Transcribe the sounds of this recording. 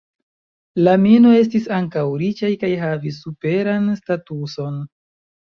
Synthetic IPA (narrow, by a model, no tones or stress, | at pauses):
lamino̞e̞s̬tisaŋkawɾit͡ʃajkajɦavis̬ːupe̞ɾanstatuso̞n